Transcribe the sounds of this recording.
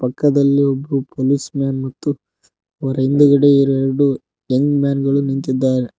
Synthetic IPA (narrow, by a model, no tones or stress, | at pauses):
pɐkːɐd̪ɐlːiobɾupʰoːlismaːnmɐt̪ːu | ɔɾɐind̪ɐɡɐɽeiɾɛɾɐɽu | ɐŋɡmʲjaːnɡɐɭunint̪id̪ːaːɾe